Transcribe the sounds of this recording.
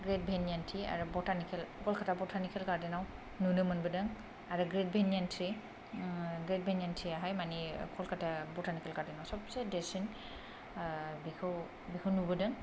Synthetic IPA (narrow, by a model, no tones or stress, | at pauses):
ɡɹet̚bʱenijantʰia̰ɹubɔtʰanikʰɛlkʰɔlkʰatʰabɔtʰanikʰɛlkadinaw | nunɯmɯnbɯdɯŋ | aɹɯɡɹet̚bʱenjantʰɹi | ɡɹet̚bʱenjantʰɹiaɦajmanikʰɔlkʰatʰabɔtʰanikʰɛlkadinawsɔpsedesin | bikʰɔw | bikʰɔwnubɯdɯŋ